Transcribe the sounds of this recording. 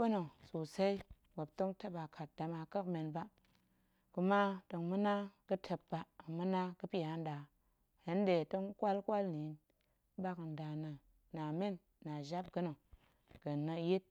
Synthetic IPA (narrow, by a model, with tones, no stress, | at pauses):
bə˦no˨su˨sa˦i˦ | mə˨b̚to˦ŋta˦ba˨kʰa˨t̚da˨ma˧kə˦kme˨nba˦ | ku˨˧ma˦tə˨ŋmɨ˦na˦kɨ˦tʰə˧p̚ba˦˨ŋmɨ˦na˦kɨ˦pi˦ja˨˦n˦da˨ | he˨˦n˦de˨tə˦ŋ˦kʷa˦lkʷa˦lni˨˦n˦ | ba˦kn˨da˨na˨ | na˨me˦nː | a˨ʒa˦p̚ɡə˦no˨ | ɡ̥ə˨nːə˧˦je˦t̚